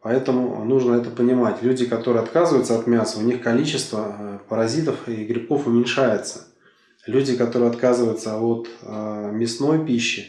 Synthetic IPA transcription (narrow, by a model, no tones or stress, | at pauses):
pɐɛt̪əmʊ̰nuʐnəɛt̪əpənʲɪmatʲlʲʉdʲɪkɐt̪o̞ɾɨjɐt̪kazɨvəjʊt̪səɐt̪mʲasəʊnʲixkɐlʲit͡ɕɪst̪vəpəɾɐzʲit̪əfiɡɾʲɪp̚ko̞fʊmʲɪnʲʂajʊt̪sə̥ | lʲʉdʲɪkɐt̪o̞ɾɨjɐt̪kazɨvəjʊt̪səo̞t̪mʲɪsno̞jpʲiɕːɪ